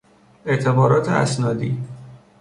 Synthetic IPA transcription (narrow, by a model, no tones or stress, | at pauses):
e̞ʔt̪ʰe̞bɒːɾɒːt̪ʰeæ̰snɒːd̪iː